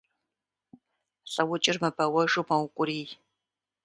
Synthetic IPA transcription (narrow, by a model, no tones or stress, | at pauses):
ɬʼɐwʊt͡ʃʼɪrmɐbɐwɐʒumɐwkʷʼʊɾiːj